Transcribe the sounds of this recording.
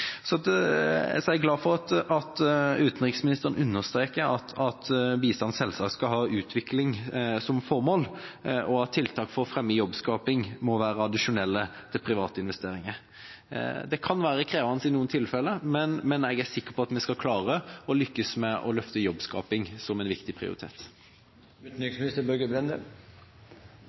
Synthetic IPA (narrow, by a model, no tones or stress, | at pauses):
sɔd̪ | sɔɛɡlɑːfɔʁɑt̪ɑt̪ʉːt̪n̩ɾɪksmɪnɪst̪əʁən̩ʔʉnːəʁst̪ɾeːkəɾɑt̪ʰɑt̪biːst̪ɑnsɛlsɑːk̪skɑlɦɑːʉːt̪ʰʋɪklɪŋsɔmfɔɾmoːlʔɔɑt̪ʰːɪlt̪ʰɑːkfɔʁfɾɛmjəjɔbskɑːpɪŋmɔʋæːɾəɑd̪ɪʂʊnɛlːət̪ʰɪlpʰɾɪʋɑːt̪əɪnʋɛst̪eːɾɪŋəɾ | d̪ɛkʰɑnʋæːɾəkʰɾeːʋɑnsɪnuːənt̪ʰɪlfɛlːəmɛnmɛnɛɡæsɪkːəpʰɔɑt̪mɛskɑkʰlɑːʁəɔlʏkːəsmɛʔɔ̰lœft̪əjɔbskɑ̰ːpɪŋsɔmɛnʋɪkt̪ɪpʰʁɪ̰ʊ̰ɪt̪ʰḛːt̪ | ʉt̪nyksmɪnɪst̪əbœɡəbɾɛnd̪ə